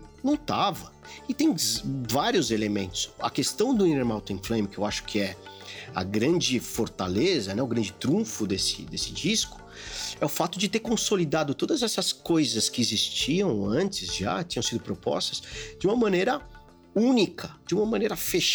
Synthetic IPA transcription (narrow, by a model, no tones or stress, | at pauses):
nɐ̃w̃t̪avɐ | ɪt̪ẽj̃vaɾiʊzelemẽnt̪ʊ̥sɐ̰kest̪ɐ̃w̃d̪ʊĩneɾmawt̪ẽflẽj̃mkɪewaʃʊ̥kʰɪɛ | ɐ̰ɡɾɐ̃nd͡ʒɪfoɾt̪alezɐnɛʊɡɾɐ̃nd͡ʒɪt̪ɾũfʊd̪esɪ̰d̪esɪd͡ʒiskʊ̥ | ɛʊfat̪ʊd͡ʒɪt̪eɾkõsolid̪ad̪ʊt̪od̪ɐzɛsɐskojzɐskɪezist͡ʃiɐ̃w̃ɐ̃nt͡ʃɪzʒa̰t͡ʃĩɲɐ̃w̃sid̪ʊpɾopɔ̰st̪ɐsd͡ʒɪũmɐmɐ̃nejɾɐ | ũnikʰɐd͡ʒɪũmɐmɐ̃nejɾɐfeʃ